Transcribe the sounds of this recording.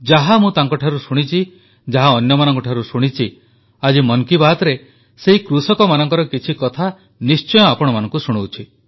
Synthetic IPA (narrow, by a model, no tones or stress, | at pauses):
d͡ʒaɦamũt̪aŋkɔʈʰaɾusuɽ̃it͡ʃʰi | d͡ʒaɦaɔnjɔmanɔ̃ŋkɔʈʰaɾusuɽ̃it͡ʃʰi | ad͡ʒimɔnkibat̪ɔɾe | seɦikɾusɔkɔmanɔŋkɔɾɔkit͡ʃʰikɔt̪ʰa | nist͡ʃɔjɔapɔɽɔmanɔ̃ŋkusuɽ̃owt͡ʃʰi